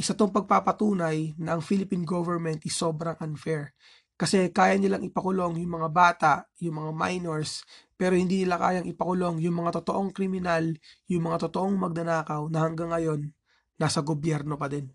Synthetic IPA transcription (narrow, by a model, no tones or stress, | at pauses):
ʔɪsɐt̪oŋpɐɡ̚papɐt̪uːnɐjnɐʔɐŋfilɪpinɡovɛɹmɛnt̪ʔɪso̞ːbɾɐŋʔɐnfɛɹ | kɐsɛkaːjɐnɪlaŋʔɪpɐkʊlo̞ŋjʊŋmɐŋabaːt̪aʔjʊŋmɐŋama̰jnoɹspɛːɾohɪnd̪iːnɪlaka̰ːjɐŋʔɪpɐkʊlo̞ŋjʊŋmɐŋat̪ot̪o̞ʔo̞ŋkɾɪmɪnaljʊŋmɐŋat̪ot̪o̞ʔoŋmɐɡ̚nɐnaːkɐwnɐhɐŋɡaŋːɐjo̞nː | aːsɐɡobjɛɾno̞pɐd̪ɛn